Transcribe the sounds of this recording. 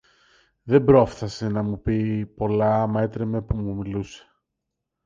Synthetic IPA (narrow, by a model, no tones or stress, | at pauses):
ðe̞bɾo̞fθɐse̞nɐmupipo̞lɐme̞t̪ɾeme̞pumumiluse̥